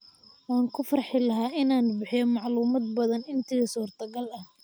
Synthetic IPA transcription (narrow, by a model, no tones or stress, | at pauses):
wɑːŋkʰʊfɐrħɪlɐɦaːʔɪnaːnbɪħɪjɔmɑʕluːmɐd̪̚bɐðɐnɪnt̪ʰɪɣɐsuːrt̪ʰɐɡɐlɐh